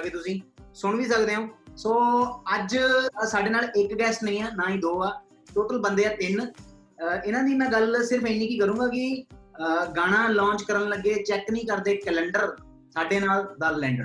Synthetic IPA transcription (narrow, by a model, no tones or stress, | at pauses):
keːt̪ʊsĩːsʊɳ̃ʋiːs̬əkd̪eːɦõːsoːəd͡ʒsaːɖeːnaːlɪkɡɛːsnəĩːaːnãːĩːd̪oːaː | ʈoːʈəlbənd̪eːaːt̪ɪn | ɪnãːd̪iːnãːɡəlsɪɾəfẽːnĩːkiːkəɾũːɡaːkɪ | ɡaːɽ̃ãːlãːɲt͡ʃkəɾənləɡːeːt͡ʃɛːknəĩːkəɾd̪eːkɛːlɛɳɖəɾ | saːɖeːnaːld̪əlːɛ̃ːɳɖə